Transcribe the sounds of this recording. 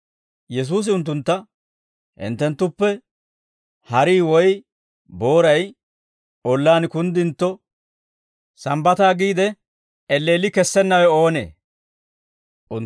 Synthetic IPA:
jɛs̬uːs̬ɪʊnt̪̬ːʊnt̪ːɐ | hɪ̰nt̪ːɛnt̪ːʊpːɛ | hɐɾiːwɔj | bo̞ːɾɐj | ɔlːaːnkʊnd̪ɪnt̪ːɔ | sɐmbɐt̪aːɡiːd̪ɛ | ɛlːeːlɪkɛsːɛnːɐwɛo̞ːnḛː | ʔʊ

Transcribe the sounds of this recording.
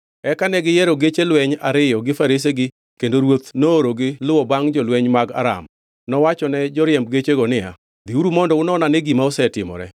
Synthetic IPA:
ɛkanɛɡɪjɛɾoɡet͡ʃelwɛɲa̰ɾɪjɔɡɪfaɾes̬eɡɪ | kendoɾwot̪nooɾoɡɪlʊwɔbaŋd͡ʒɔlwɛɲmaɡa̰ɾa̰m | nɔwat͡ʃɔnɛd͡ʒɔɾjɛmb̚ɡet͡ʃeɡɔnɪja̰ | d̪iuɾumɔndɔʊnɔnaneɡimaosɛtɪmɔ̰ɾɛ̰

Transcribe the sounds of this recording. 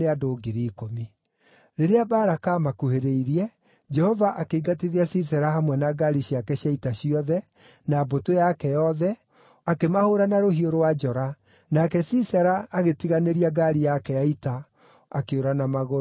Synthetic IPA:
eadoːɡiɾikomi | ɾeɾeabaːɾakamakuheɾeiɾiɛ | d͡ʒɛhɔvaʔakeiɡatiðiasis̬ɛɾaɦamwɛnaɡaɾiɕiakɛɕjaitaɕiɔðɛ | nabotojakɛjɔðɛ | akemahoːɾanaɾoɦioɾowad͡ʒɔɾa | nakɛsisɛɾaːɣetiɣaneɾiaɡaɾijakɛjaita | akeoɾanamaɣo

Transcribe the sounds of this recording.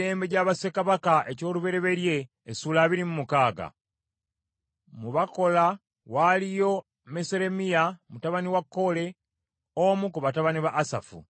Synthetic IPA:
eːmbeɟaːβasekaβakaʔe̞co̞ːluβe̞ɾe̞βe̞ɾje̞ː | suːlaːβiɾimumukaːɡa̰ | muβako̞la | walijo̞ | meseɾe̞mijamutaβaniwakːo̞le̞ | omukuβataβaniβaʔːsa̰fṵ

